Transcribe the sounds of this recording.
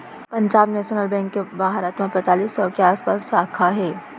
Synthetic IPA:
pɐ̃ɲd͡ʒaːbnɛːʃənəlbɛ̃ŋkːebaːɦaɾaːt̪mãpɛ̃t̪aːliːsɔːkeaːspaːsaːkʰaɦɛː

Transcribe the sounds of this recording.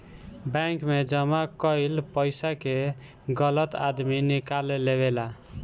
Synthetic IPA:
bɛ̃ŋkmed͡ʒəmakəilpəjsake | ɡələt̪a̰d̪minikalːeβela

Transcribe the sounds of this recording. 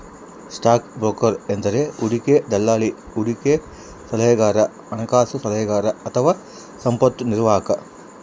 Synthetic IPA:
sʈaːkbɾoːkɐɾend̪ɐɾeuɽiked̪ɐlːaːli | uɽike | sɐlɐjɐɡaːɾɐ | ɐnɐkaːsusɐlɐjɐɡaːɾɐɐt̪ʰɐʋaː | sɐmpɐt̪ːuniɾʋaːɦɐkɐ

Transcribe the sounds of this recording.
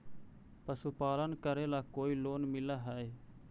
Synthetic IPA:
pəsupaːlənkəɾeːlaːkoːiːloːnmɪlaːɦɛːeː

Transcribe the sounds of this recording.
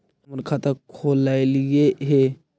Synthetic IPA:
məɾkʰat̪əkʰolajlɡeɦe

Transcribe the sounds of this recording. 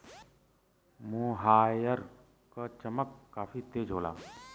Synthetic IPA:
mũːɦaːjəɾ | kət͡ʃəməkːaːfiːt̪eːd͡ʒʱoːla̰ː

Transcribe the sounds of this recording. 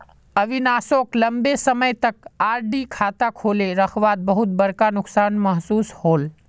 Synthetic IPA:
əʋinaːsokləmbesəməjt̪əkaːɾɖikʰaːt̪akʰoːleɾəkʰʋaːd̪̚bəɦut̪̚bəɾkanʊksaːnməɦsuːshoːl

